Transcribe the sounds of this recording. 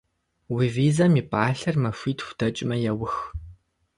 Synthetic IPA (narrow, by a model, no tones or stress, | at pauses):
wiviːzɐmiːpʼaːɬɐrmɐfʷiːtxʷʊ̥dʰɐt͡ʃʼɪmɐjɛwʊx